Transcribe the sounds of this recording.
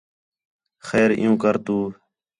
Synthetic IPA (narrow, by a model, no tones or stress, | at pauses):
xɛːɾɪ̰̃jũːkəɾt̪uː